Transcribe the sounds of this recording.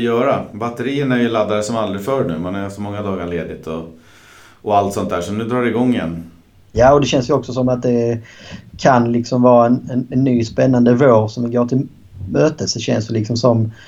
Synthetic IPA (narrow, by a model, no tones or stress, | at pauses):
jœːɾabat̪ːəɾiːənæɾjɵlad̪ːaɾəsɔmald̪ɾɪfœːɾɳʉ̟ːmanæɾsɔmɔŋːad̪ɑːɡaɭeːd̪ɪt̪ʰɔ | ɔalt̪sɔnt̪d̪æːʂɔnʉ̟ːd̪ɾɑːɾɛɪɡɔŋːɪjɛ̰nː | jaːɔd̪ɛɕɛnsjɵɔksɔs̬ɔmat̪̚d̪ɛ | kʰanlɪksɔmvɑːɾaɛnɛnɛnːyːspɛnːand̪əvoːɾsɔmvɪɡoːʈʰɪl | møːt̪əsdɛɕɛnsj̪əlɪksɔmsɔm